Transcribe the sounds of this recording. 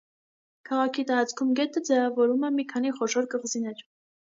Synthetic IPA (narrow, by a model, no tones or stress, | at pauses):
kʰɑʁɑkʰit̪ɑɾɑt͡skʰumɡɛt̪ʰəd͡zɛvɑvɔɾumɛmikʰɑniχɔʃɔɾkəʁzinɛɾ